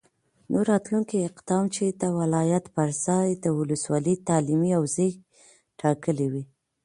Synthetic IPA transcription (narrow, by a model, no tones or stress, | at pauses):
noɾːɑt̪luŋkiɪqd̪̥ɑmt͡ʃed̪əwalɑjat̪pəɾzɑjd̪əwʊləswɑlət̪ɑlimiawzəj | ʈʰɑkəliwi